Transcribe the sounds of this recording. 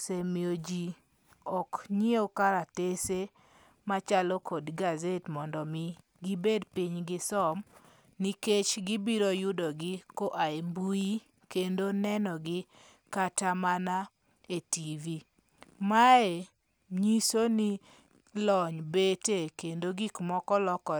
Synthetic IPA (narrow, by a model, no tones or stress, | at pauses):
semiod͡ʒi | ɔkɲiokaɾatese | mat͡ʃalɔkɔdɡazetmɔndɔmi | ɡibedpiɲɡɪsɔm | niket͡ʃɡibiɾojʊdɔɡɪkoʔaembui | kendonɛnɔɡɪ | katamana | etivi | mae | ɲisoni | lɔɲbetekendoɡikmɔkɔlɔkɔ